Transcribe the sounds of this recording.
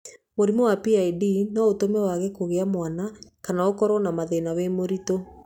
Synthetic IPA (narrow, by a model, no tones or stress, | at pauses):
moɾimɔwapiaidinɔotomɛwaɣɛkoɣeamwanakanaokɔɾɔnamaðenawemoɾito